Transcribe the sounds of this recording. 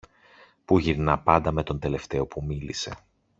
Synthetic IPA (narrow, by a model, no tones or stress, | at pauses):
puʝiɾnɐpɐnd̪ɐme̞t̪o̞nd̪e̞le̞ft̪e̞o̞pumilise̞̰